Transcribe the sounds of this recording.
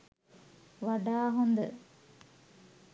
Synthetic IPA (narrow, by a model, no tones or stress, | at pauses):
ʋaɖaːɦond̪ə